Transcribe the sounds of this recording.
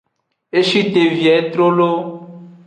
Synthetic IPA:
e˦ʃi˦t̪e˨vi˨ɛ˨˦t̪ɾo˦lo˦

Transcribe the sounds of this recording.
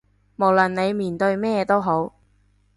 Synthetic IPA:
mo˨˩wlɐ˨˩nne˨˧jmiː˨˩nt̪ɵ˧ɥmɛː˥t̪o˥wɦo˨˥w

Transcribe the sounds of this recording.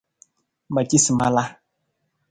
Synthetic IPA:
ma˨ci˦si˨ma˦la˦

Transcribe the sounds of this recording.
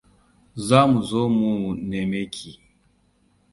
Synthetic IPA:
zaː˦mu˨zoː˦mu˨ne˨me˦kʰʲi˨

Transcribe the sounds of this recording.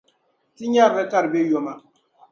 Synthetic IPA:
ti˦ɲa˦˨bɛ˦ka˦˨ɾbe˦jɔ˨ma˨

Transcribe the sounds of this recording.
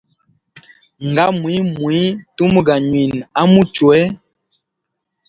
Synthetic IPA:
ŋ˨ɡa˦mwi˦mwu˨i˦tu˦mu˦ɡa˨ɲwi˨na˦mu˦t͡ʃwɛ˦

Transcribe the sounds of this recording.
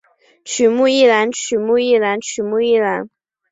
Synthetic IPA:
t͡ʃʰy˨˩mu˥˧i˥˩la˧˥nt͡ʃʰy˨˩mu˥˧i˥˩la˧˥nt͡ʃʰy˨˩mu˥˧i˥˩la˧˥n

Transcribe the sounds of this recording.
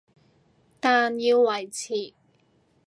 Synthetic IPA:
t̪aː˨njiː˧wːɐ˨˩jt͡sʰiː˨˩

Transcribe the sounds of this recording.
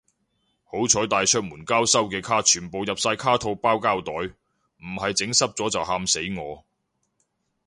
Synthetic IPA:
ho˨˥wt͡ʃʰɔː˨˥jt̪aː˨jt͡ʃʰœ˥k̚muː˨˩nkaː˥wsɐ˥wkɛː˧kʰaː˥t͡ʃʰyː˨˩npo˨wjɐ˨p̚saː˧jkʰaː˥t̪ʰo˧wpaː˥wkaː˥wt̪ɔː˨˥j | m̩˨˩hɐ˨jt͡sɪ˨˥ŋsɐ˥p̚t͡sɔː˨˥t͡sɐ˨whaː˧mse˨˥jŋɔː˨˧

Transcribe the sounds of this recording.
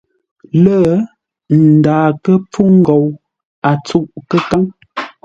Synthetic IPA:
lə˦˨ | n̩˨daː˨kə˦p͡fu˦ŋ̩˦ɡɔ˨w | a˨t͡su˦˨ʔkə˦ka˦ŋ

